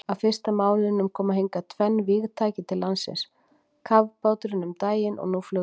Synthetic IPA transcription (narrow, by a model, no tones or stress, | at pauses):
aðfɪr̥st̪amaːwlɪnːʏmkʰɔːmaɦejŋkat̪ʰvɛnːvɪːɣt̪ʰaːcɪt̪ʰɪlːansɪ̰ns | kʰavpawt̪ʏɾɪnʏmt̪aːjɪnʔɔ̰ɣnuflœː